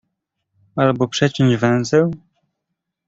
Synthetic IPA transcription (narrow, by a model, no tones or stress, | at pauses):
albɔpʂɛt͡ɕɛɲd͡ʑvɛ̃w̃zɛw